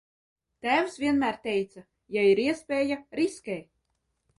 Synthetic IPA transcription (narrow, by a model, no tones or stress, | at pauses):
t̪æːwsvʲiɛnmæːɾt̪ʲɛjt̪sa | jaiɾiɛspʲeːjaɾiskʲɛj